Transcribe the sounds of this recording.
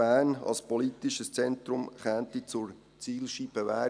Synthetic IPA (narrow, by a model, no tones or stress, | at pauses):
æːnɑ̰lspɔlitiʃəst͡sɛnt̪ɾʊmχæːntit͡sʊɾ | t͡siːlʃibəvæː